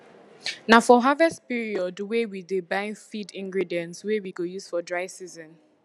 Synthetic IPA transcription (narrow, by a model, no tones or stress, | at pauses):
nafɔɦavɛstpiɹiɔdwewidebaɪfidĩŋɡɹidiɛ̃ntswewiɡojuz̥fɔdɹaɪsizɔ̃n